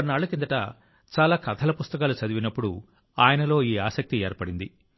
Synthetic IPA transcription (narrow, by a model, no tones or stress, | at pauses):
ɐɾnaːɭːukind̪ɐʈɐ | t͡ʃaːlaːkɐt̪ʰɐlɐpust̪ɐkaːlut͡ʃɐd̪iʋinɐpːuɽu | aːjɐnɐlo̞ːiːaːsɐk̚t̪iɛːɾpɐɽind̪i